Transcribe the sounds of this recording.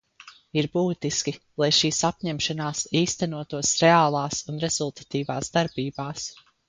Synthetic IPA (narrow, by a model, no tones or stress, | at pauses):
iɾbuːt̪iskʲilˠajʃiːsapɲɛmʃanaːsiːst̪ænuɔt̪uɔsɾeaːlˠɑːsunɾɛz̥ulˠt̪ḁt̪iːvaːsd̪aɾbiːbaːs